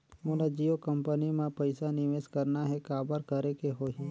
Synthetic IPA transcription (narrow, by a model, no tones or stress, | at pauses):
molad͡ʒijokəmpənimẽpəɪsanɪʋeːskəɾnaɦɛkaːbəɾkəɾekeɦoːɦi